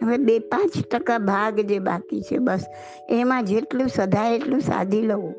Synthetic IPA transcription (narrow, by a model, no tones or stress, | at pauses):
ɦəʋebepãt͡ʃʈəkabʱaɡd͡ʒeba̰kit͡ʃʰḛbəs | emãd͡ʒeʈlũsəd̪ʱaeʈlũsa̰d̪ʱiləũ